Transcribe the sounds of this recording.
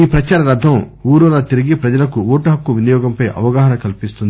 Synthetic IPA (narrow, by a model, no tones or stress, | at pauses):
iːpɾɐt͡ʃaːɾɐɾɐd̪ʱːɐmuːɾulaːt̪iɾiɡipɾɐd͡ʒɐlɐkuuːʈɐɦɐkːuʋinjɔːɡɐmpɐjʔɐ̰ʋɐɡaːɦɐnɐkɐlipist̪und̪i